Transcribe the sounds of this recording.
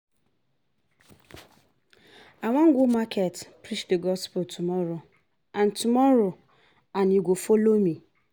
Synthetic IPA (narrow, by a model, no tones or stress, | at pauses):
aŋʷaŋ̩ɡʷumakʰetpɾit͡ʃdəɡɔspʊltʰumɔɾo | an̩tumɔɾo | anjuɡʷofolomi